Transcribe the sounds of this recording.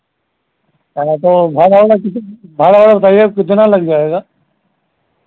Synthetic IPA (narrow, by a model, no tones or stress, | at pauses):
at̪obʱaːɽaɽakɪt̪bʱaːɽaʋɽabɐt̪aːiekɪd̪ʱnaləɡd͡ʒaːeːɡaː